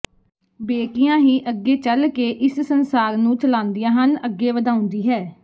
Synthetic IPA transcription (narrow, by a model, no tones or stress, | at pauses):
beːkɪjãːɦiːʔəɡːeːt͡ʃəlkeːʔɪssənsaːɾnũːt͡ʃəlãːnd̪ijãːɦənəɡːeːʋəd̪aːʊ̃nd̪iːɦɛː